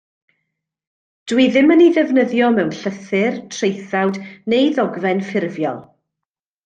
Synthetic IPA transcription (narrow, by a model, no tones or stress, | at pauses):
d̥wiðɪməniðɛvnəðjɔmɛwnɬəθɨrtʰrejθawdnejðɔɡvɛnfɪrvjɔ̰lˠ